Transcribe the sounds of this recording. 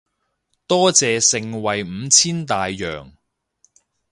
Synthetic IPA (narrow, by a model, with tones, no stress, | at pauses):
t̪ɔː˥t͡sɛː˨sɪ˧ŋwɐ˨jm̩˨˧t͡sʰiː˥nt̪aː˨jːœ̰ː˨˩ŋ